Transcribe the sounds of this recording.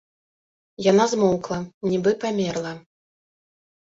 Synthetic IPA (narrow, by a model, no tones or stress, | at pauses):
janazmɔwklˠɐnʲibɨpamʲɛrlˠɐ